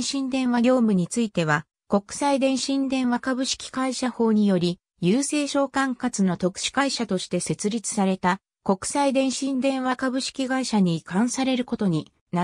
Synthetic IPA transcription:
ɕĩnd̪ẽ̞ɰ̃βaɡʲo̞ːmɯ̟ɲ̟it͡sɨit̪e̞βa | ko̞kɯ̥said̪ẽ̞ɰ̃ɕĩnd̪ẽ̞ɰ̃βakabɯ̟ɕi̥kʲi̥kaiɕaho̞ːɲ̟ijo̞ɾʲi | jɯːse̞ːɕo̞ːkãŋkat͡sɨno̞t̪o̞kɯ̟̥ɕi̥kaiɕat̪o̞ɕi̥t̪e̞se̞t͡sɨɾʲit͡sɨ̥saɾe̞t̪a | ko̞kɯ̟̥said̪ẽ̞ɰ̃ɕĩnd̪ẽ̞ɰ̃βakabɯ̟ɕi̥kʲiɡaiɕaɲ̟ikãɰ̃saɾe̞ɾɯ̟ko̞t̪o̞ɲ̟i | na

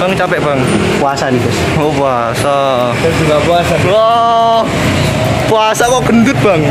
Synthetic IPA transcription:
b̥aŋt͡ʃapɛʔbaŋ | puasanikɛs | opua | sa | ad͡ʒukapuasalɔ | puasakɔɡ̥ənd̪ʊt̪̚b̥aŋ

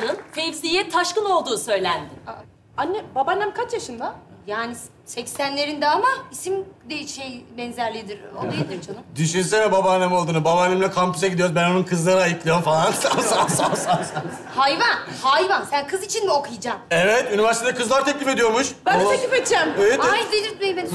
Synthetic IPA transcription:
nɯmfeipsijɛt̪ʰaʃkɯno̞lˠd̪uːsø̞jlʲænd̪ɪ | anːɛbabanːɛmkʰat͡ʃjaʃɯnd̪ajaːni | sɛcsænlʲe̞ɾind̪ɛamaisimd̪iʃejbɛnzæɾlʲid̪iɾo̰d̪ajd̪ʲiɾt͡ʃʰanumd̪yʃyns̬ɛmɛbabanːɛmo̞lˠd̪uːnubabanlʲːemilʲɛkʰampu̥saɡɟid̪ijoɾuzbænonunkʰɯzlˠaɾɯajɯklˠijo̞mfalˠansasasasasa | hajvan | hajvansænkʰɯzit͡ʃʰinmiokʰujɯd͡ʒaːmɛvɛt̪ynivæɾsit̪ʰed̪ɛkʰɯzlˠaɾt̪ʰɛclʲife̞d̪ijo̞ɾmuʃbænoeifet̪d͡ʒæmjedjid̪elʲiɾejbe

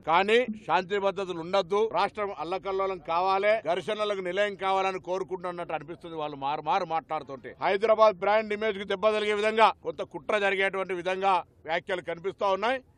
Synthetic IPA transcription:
kaːniːʃaːnt̪̬ibɐd̪ːɐt̪̬uluɳɖɐd̪ːuɾaːʂʈɾɐmɐlːɐkɐlːɐlɐmkaːʋaːleːd̪ɐɾʂɐnɐlɐkunilɐjɐŋkaːʋaːlɐniko̞ːɾukuɳʈunɐnːɐʈːuɐnipist̪und̪iʋaːɭːumaːɾumaːɾumaːʈlaːɽut̪uːɳʈeːhɐjd̪ɾɐːbaːd̪̚bɾaːɳɖimeːd͡ʒkut̪ɛbːɐd̪ɐliɡeːʋid̪ʱɐŋɡaːkɔnt̪ɐkuʈɾɐd͡ʒɐɾiɡeːɐʈ̬uʋɐɳʈiʋid̪ʱɐŋɡaː | ʋjaːkjɐlukɐnipist̪aːunːaːji

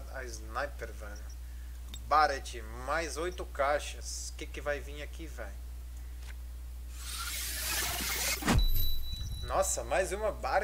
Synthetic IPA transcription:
aɪznajpeɾvɛ̃ɲ | baɾɐt͡ʃɪ | majzojt̪ʊkaʃɐs | kɪkɪvajvĩakivɛ̃j | nɔsɐmajzũmɐbaɾ

